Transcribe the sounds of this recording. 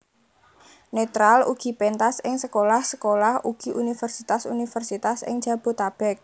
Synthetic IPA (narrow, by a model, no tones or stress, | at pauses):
net̪ɾalṵɡ̥i̤pent̪asɪŋsəkolahsəkolahuɡ̥i̤ʔunifərsit̪asṵnifərsit̪asɪ̰ŋd̥ʒ̥ä̤b̥o̤t̪ab̥ɛk̚